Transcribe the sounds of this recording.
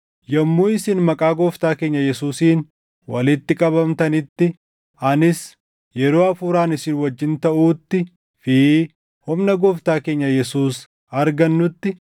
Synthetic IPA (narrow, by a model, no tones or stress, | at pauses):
jɐmːuːɪsɪnmɐkʼaːɡɔːft̪aːke̞ːɲːɐjɛsuːsiːn | wɐ̰lɪt̪ːɪkʼɐbɐmt̪ɐnɪt̪ːɪ | ɐnɪs | jɛɾoːɐfuːɾaːnɪsɪnwɐd͡ʒːɪnt̪ɐʔuːt̪ːɪ | fɪ | hʊmnɐɡɔːft̪aːke̞ːɲːɐjɛsuːs | ɐɾɡɐnːʊt̪ːɪ